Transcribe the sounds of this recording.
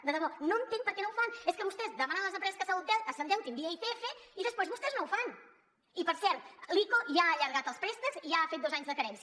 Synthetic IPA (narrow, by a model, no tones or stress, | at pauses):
d̪eðɐβoɾnɐ̃t̪ẽŋpɐɾkenõwfaŋeskɨβost̪ezðəmãnɐ̃ŋ̃ɐz̬ẽmpɾɛzɐskasalut̪ɛlkasɐnt̪ɛwt̪ẽmbiɐit̪ɛfeiðəspojzβʊst̪eznɐ̃wfaŋ | ipɐɾsɛllikoʒaːʎaɾɣat̪ɐspɾest̪ɐziʒaafejt̪̚owzaɲuzðɐkɐɾɛ̃nsjɐ